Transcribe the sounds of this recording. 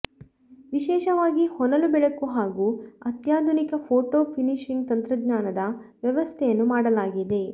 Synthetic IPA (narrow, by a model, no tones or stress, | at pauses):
ʋiʃɛːʃɐʋaːɡihɔnɐlubɛɭɐkuɦaːɡuːɐt̪jaːd̪ʱunikɐpʰoːʈoːpʰiniʃiŋɡt̪ɐnt̪ɾɐɡɲaːnɐd̪ɐʋjɐʋɐst̪ʰɛjɐnːumaːɽɐlaːɡid̪e̞